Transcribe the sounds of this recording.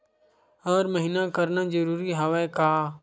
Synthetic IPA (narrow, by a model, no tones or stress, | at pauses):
əːɾməɦiːnaːkəɾnaːd͡ʒəɾuːɾiːɦaːʋɛːkaː